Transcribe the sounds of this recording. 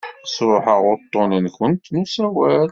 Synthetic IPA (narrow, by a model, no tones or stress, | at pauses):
sˤɾʊħəʁʊɾt̪ˤːoninkʷənt̪nusæwæl